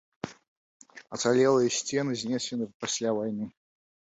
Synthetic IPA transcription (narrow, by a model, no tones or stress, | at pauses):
ɐt̪salʲɛlˠɨjɐsʲt͡sʲenɨzʲnʲesʲɪnɨpasʲlʲavajnɨ